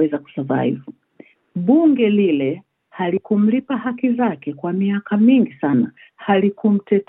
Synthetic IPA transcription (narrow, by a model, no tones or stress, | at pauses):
ɛzaku̥sava̰hivɔ | ɓuŋɡɛlilɛ | halikum̩lipahakizakɛkwamiakamiŋɡisana | halikum̩tɛt